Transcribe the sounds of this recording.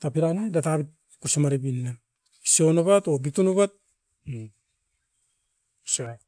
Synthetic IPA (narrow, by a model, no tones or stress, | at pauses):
tapiɾanedatabit̚ | kusimaɾibinːa | isionoβatobitunuβat̚ | usa